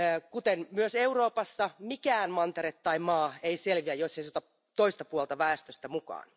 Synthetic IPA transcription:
kut̪enmyøseuroːpɑsːɑmikæːnmɑnt̪eɾet̪ːɑimɑːeiselʋiæjjosːeit̪uot̪ɑ | t̪oist̪ɑpuolt̪ɑʋæːst̪øst̪æmukɑ̰ːn

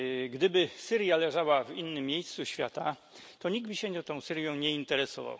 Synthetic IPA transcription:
ɡd̪ɘbɘsɘɾʲjalɛʐawavinːɘmʲːjejst̪suɕfʲja̰t̪at̪ɔɲiɡbɘɕɛɲɛt̪ɔ̃w̃sɘɾjɔ̃w̃ɲɛint̪ɛɾɛsɔva̰w

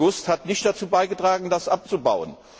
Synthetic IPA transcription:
ʊsthatnɪçt̚d̥at͡suːbaɪɡətʁ̥aːɡŋ̩dasʔap̚t͡suba̰ʊə̰n

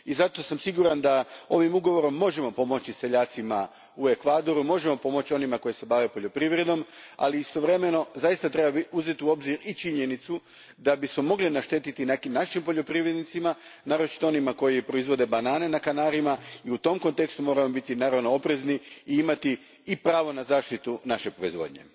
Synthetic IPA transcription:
izat̪osamsiɡuɾand̪ao̞ʋimuɡo̞ʋo̞ɾo̞mːo̞ʒe̞mo̞po̞mo̞t͡ɕise̞ʎaːt̪sima | ue̞kʋaːd̪o̞ɾumo̞ʒe̞mo̞po̞mot͡ɕio̞nimako̞jese̞baʋe̞po̞ʎo̞pɾiʋɾe̞d̪no̞ma̰liist̪o̞ʋɾe̞me̞no̞zajist̪at̪ɾebauze̞t̪iuo̞bziɾit͡ʃiɲe̞nit̪su | d̪abismo̞mo̞ɡlinaʃt̪e̞t̪it̪inekimnaʃimpo̞ʎopɾiʋɾed̪nit̪simanaːɾo̞t͡ʃi̥t̪o̞onimako̞jipɾo̞izʋo̞d̪e̞banaːne̞nakanaːɾimaiut̪o̞mko̞nt̪e̞kst̪umo̞ːɾamo̞bit̪inaːɾaʋno̞o̞pɾe̞zniiimat̪iː | pɾaːʋo̞nazaːʃt̪it̪unaʃe̞pɾo̞izʋo̞̰ːd̪ɲe̞̰

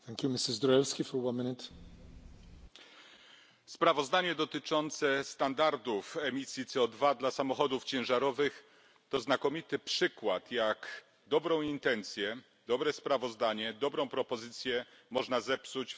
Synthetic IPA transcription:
θɛ̃ŋkʲjumɪsɪzd̪ɾɔɛlskʲifɔɾwanmɪnɪt̪ | spɾavɔzd̪aɲɛd̪ɔt̪ɘt͡ʂɔnt̪sɛst̪and̪aɾd̪ufɛmʲisʲjit̪sɛɔd̪vad̪lasamɔxɔd̪uft͡ɕɛ̃w̃ʐaɾɔvɘx | t̪ɔznakɔmʲit̪ɘpʂɘkwat̪jak | d̪ɔbɾɔ̃w̃int̪ɛnt̪sʲjɛ | d̪ɔbɾɛspɾavɔzd̪aɲɛd̪ɔbɾɔ̃w̃pɾɔpɔzɘt̪sʲjɛ | mɔʐnazɛpsut͡ɕ

